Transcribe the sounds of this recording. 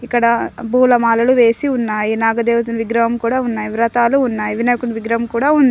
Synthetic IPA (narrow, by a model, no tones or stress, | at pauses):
ikːɐɽɐbʱuːlɐmaːlɐluʋe̞ːsiunːaːjinaːɡɐd̪eːʋut̪̬unʋiɡɾɐɦɐmkuːɽaːunːaːjiʋɾɐt̪aːluːnːaːjiʋinɐjkunɐʋiɡɾɐɦɐmkuːɽaːund̪i